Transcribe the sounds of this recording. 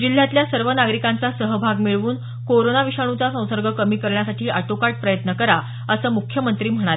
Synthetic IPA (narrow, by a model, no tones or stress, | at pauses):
d͡ʑil̤ːjat̪ljasəɾʋənaɡɾikãnt͡sasəɦəbʱaɡmiɭʋuːn | koɾonaʋiɕaɽ̃ut͡sasə̃w̃səɾɡʱəkəmiːkəɾɳjasaʈʰiːʔaʈokaʈ̚pɾəjət̪nəkəɾa | əsəːmukʰjəmənt̪ɾiːm̤əɽ̃aɾe